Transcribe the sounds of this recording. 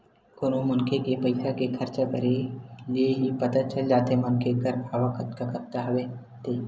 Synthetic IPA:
koːnõmʊnkʰekepəɪsʰakekʰɐɾt͡ʃakəɾelieɦipɐt̪at͡ʃəld͡ʒaːt̪emʊnkʰekəɾbʱaːʋakət̪kakɐɾt̪aɦɐʋe | t̪ʰeː

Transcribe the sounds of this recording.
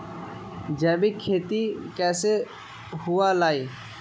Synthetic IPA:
d͡ʒɛːbikʰeːt̪ikɛːse | hualaːi

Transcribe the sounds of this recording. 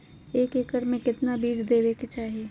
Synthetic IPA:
eːkekəɾmẽkɪt̪nabiːd͡ʒd̪eːʋeket͡ʃaːɦieː

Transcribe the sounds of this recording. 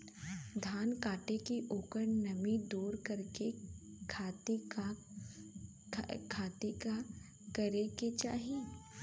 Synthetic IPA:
d̪ʱaːnkaːʈekiʔoːkəɾnɐmid̪uːɾkɐɾkekʰat̪ | kʰaːt̪eka | kɐɾeket͡ʃa̰ːɦi

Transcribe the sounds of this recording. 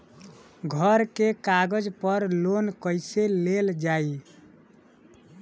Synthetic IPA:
ɡʱəɾkekaɡəd͡ʒpəɾlonkəjseleld͡ʒai

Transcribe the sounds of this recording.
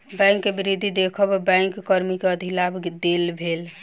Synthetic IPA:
bɛ̃ŋkːebiɾid̪ʱːid̪ekʰəbbɛ̃jŋkːəɾmikeəd̪ʱilabd̪elbʱel

